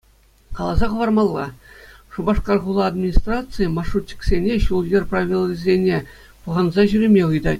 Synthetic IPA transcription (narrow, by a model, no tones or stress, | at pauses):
kɑlˠɑzɑχɤ̆ʋɑrmɑlˠːɑ̰ʂubɑʂkɑrʁulˠɑːd̪mʲinʲist̪rɑt̪sɨjəmɑʂutʲːĭ̥ksʲenʲeɕulˠjerʲpraʋʲilˠːizʲenʲe | pɤ̆ʁɑnzɑʑyɾʲemʲeɯjd̪ɑ